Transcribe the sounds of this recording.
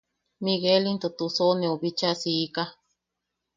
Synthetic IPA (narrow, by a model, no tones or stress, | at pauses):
miɣelint̪ut̪usoneuβit͡ʃasiːka